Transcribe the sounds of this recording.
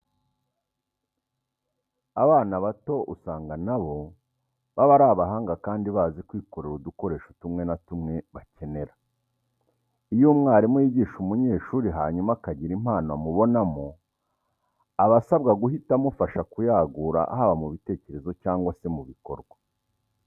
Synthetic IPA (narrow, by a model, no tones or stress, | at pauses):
aβaːnaβato̞usaːŋɡanaβo̞ | βaβaɾaːβaɦaːŋɡakaːndiβaːzikwiːko̞ɾeɾuduko̞ɾe̞ːʃotumŋe̞natumŋe̞βace̞ne̞ɾa | ijumŋaːɾimwiːɟiːʃumuɲe̞ːʃuːɾiɦaːɲumakaɟiɾim̥aːnoamuβo̞namo | aβasabɡaɡuɦitamufaʃakujaːɡuɾa̰a̰ɦaβamuβite̞ːce̞ɾe̞zo̞caːŋɡwase̞muβiko̞̰ɾɡwa